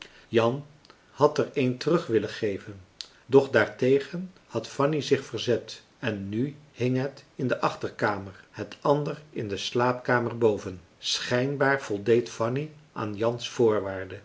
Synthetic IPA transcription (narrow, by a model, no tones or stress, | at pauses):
jɑn | hɑtərejntərɵχʋɪləχejvən | dɔχdaːɹtejχən | hɑtfɑnizɪχfəɹzɛt | ɛnːyhɪŋɦətɪndəʔɑχtəɹkaːməɹhətʰɑndərɪndəslaːpkaːməɹbowvən | sχɛjnbaːɹv̥ɔlˠdejtfɑniʔaːnjɑnsfʊːɹʋaːɹdə